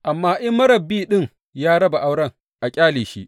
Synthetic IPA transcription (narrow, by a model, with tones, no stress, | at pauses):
ʔa˨mːaː˦ʔɪ˦mːɐ˦ɾɐ˨bːiː˦ɗɪ˦˨ŋ | jaː˦ɽɐ˦ba˨ʔa˦wɽɐ˦˨ŋ | ʔa˨kʲʼaː˦liː˨ʃḭ˦ʔ